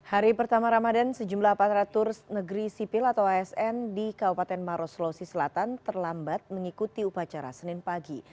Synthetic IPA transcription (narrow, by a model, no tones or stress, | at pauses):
haɾipərt̪amaɾamadansəd͡ʒumlahpat̪ɾat̪ʊrsnəɡəɾisipɪlat̪awaɛsɛndikabupat̪ɛnmaɾoslosisəlat̪ant̪ərlambat̪̚məŋikut̪iupat͡ʃaɾa̰sənɪnpaɡi